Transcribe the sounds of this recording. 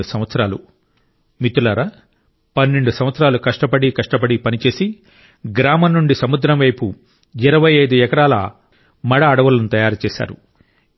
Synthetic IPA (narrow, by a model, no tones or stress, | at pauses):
usɐ̃mʋɐt̪sɐɾaːlṵ | mit̪ulɐɾɐ | pɐnːeɳɖusɐm̃ʋɐt̪sɾaːlukɐʂʈɐpɐɽikɐʂʈɐpɐɽipɐnit͡ʃe̞ːsi | ɡɾaːmɐnːuɳɖisɐmud̪ɾɐmʋɐjpu | iɾɐʋɐjɐjd̪uɛkɐɾaːlɐ̰ | mɐɽɐːɽɐʋɐlɐnut̪ɐjaːɾut͡ʃɛːsa̰ːɾu